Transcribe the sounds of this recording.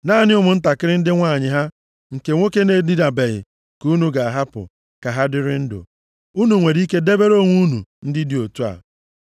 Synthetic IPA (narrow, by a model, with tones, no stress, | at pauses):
naː˦˨nɪ˦ʊ˦mʊ˨n̩˦ta˨kɪ˦ɾɪ˦n̩˦dɪ˦ŋʷa˦˨ɲɪ˨ɦa˦ | ŋ̩˨ke˨ŋʷo˦ke˦ne˨˦˨di˦da˨be˨ɣɪ̰˨ | ku˦nu˨ɡa˨a˨ɦa˦pʊ̰˨ | ka˨ɦa˦dɪ˦ɾɪ˦n̩˦dʊ̰˨ | u˦nu˨ŋʷe˨ɾi˦ke˦de˦be˦ɾo˦˨ŋʷu˦nṵ˨n̩˦dɪ˦di˨o˨tu˦a̰˨